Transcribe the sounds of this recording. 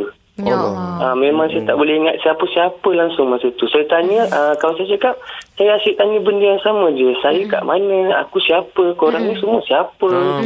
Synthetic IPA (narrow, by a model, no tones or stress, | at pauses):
əmẽmãŋsajat̪aʔbolɛɦiŋat̪̚siapəsiapəlaŋsʊŋmasət̪usajat̪aɲəʔəkalasajat͡ʃakap̚sajaasɪʔt̪aɲəbəndəaŋsamə̃d͡ʒəsajəka̰ʔmanəa̰kusiapəkoɾaŋnisumuəsiapə